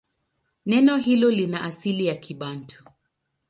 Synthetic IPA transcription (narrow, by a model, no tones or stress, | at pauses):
nɛnɔɦilɔlinaʔasilijakʰiɓantʰu̥